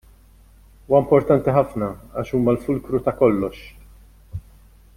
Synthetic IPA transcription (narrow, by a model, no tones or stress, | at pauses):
uːwɐmpɔɾt̪ɐnt̪iħɐfnɐɐ̰ːʃuːmɐlfʊlkɾut̪ɐkɔlːɔʃ